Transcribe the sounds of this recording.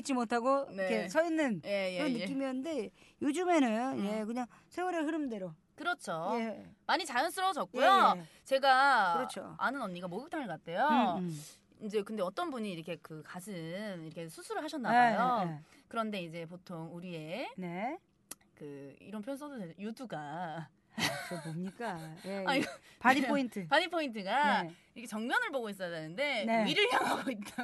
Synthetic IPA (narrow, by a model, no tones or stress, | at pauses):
it͡ɕ͈imotʰaɡokʰe̞sʰʌinːɯnjɾʌnːɯk͈imiʌnnde̞jod͡ʑume̞nɯnnje̞kɯɲaŋ | sʰe̞wuɾeɦɯɾɯmde̞ɾo | kɯɾʌt͡ɕʰojemaɲit͡ɕajʌnsʰɯɾʌd͡ʑʌk̚k͈ujo | t͡ɕe̞ɡaɯɾʌt͡ɕʰo̰anɯnʌnːiɡamoɡɯk̚t͈ʰaŋɯɭkat̚tʰe̞jo | id͡ʑe̞kɯnde̞ʌt͈ʌnbuɲiːɾʌkʰe̞kɯkasʰɯniɾʌkʰe̞sʰusʰuɾɯɭɦaɕ̬ʰʌnːaajokɯɾʌnde̞id͡ʑe̞potʰoŋuɾie̞ne | kɯḭɾʌnpʰjons̬ʰʌdodeʌjuduɡa | bomɲik͈ajeaiɡpipʰointʰɯpanipʰːointʰɯɡaiɾʌkʰet͡ɕʌŋmjʌnɯɭboɡois̬͈ʌadanɯnde̞iɾɯɭɦjaŋɦaɡoit͈a